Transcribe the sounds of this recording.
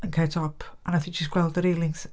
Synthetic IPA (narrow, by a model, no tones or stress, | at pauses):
ənkʰɛtʰɔpʰə̃naθɪ̃ŋk̚d͡ʒ̥ɪsɡ̥wɛlˠdðəɾiːlˠɪŋs